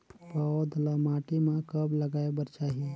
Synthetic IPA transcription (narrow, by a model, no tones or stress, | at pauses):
paod̪ʱlamaːʈimãkəbləɡaːebəɾt͡ʃaːɦi